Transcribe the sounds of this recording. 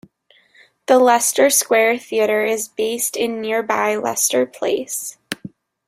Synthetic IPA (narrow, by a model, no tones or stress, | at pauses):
ðəlɛstə˞skwɛɹθiɨɾə˞ɪzbeɪstɪ̃nːɪɹba̰ɪlɛ̰stə˞pʰl̥eɪs